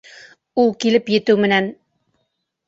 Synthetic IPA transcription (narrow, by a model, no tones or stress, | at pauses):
ulˠkilɘpjɘ̆t̪ʉwmɘ̆næn